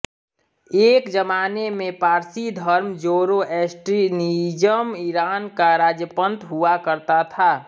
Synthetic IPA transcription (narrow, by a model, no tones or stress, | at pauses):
eːkd͡ʒəmaːnemẽpaːɾsid̪ʱəɾmd͡ʒoːɾoesʈɾinid͡ʒəmiɾaːnkaɾaːd͡ʒjəpə̃nt̪ɦuakəɾt̪at̪ʰaː